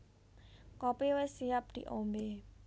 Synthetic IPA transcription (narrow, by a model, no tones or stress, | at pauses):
kɔpiwɪsijap̚d̪̥ḭʔombe